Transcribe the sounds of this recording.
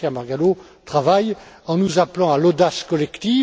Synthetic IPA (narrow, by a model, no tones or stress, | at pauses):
ɛ̃maʁɡalo | t̪χavaj | ɑ̃nuzaplɑ̃alɔd̪askɔlɛkt̪i